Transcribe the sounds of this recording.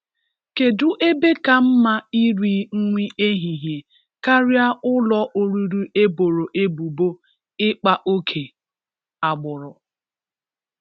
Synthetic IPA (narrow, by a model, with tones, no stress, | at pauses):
ke˨dʊ˨ʔe˦be˦ka˨m̩˦ma˦i˦ɾi˦ŋ̩˦ŋʷi˦ʔe˦ɦi˨ɦje˨ | ka˦ɾja˦ʊ˦lɔ˦ʔo˨ɾu˨ɾu˦e˦bo˨ɾo˨ʔe˦bu˨bo˦ | ɪ˦k͡pa˦ʔo˦kʰe˨ | a˨ɡ͡bʊ˨ɾʊ˨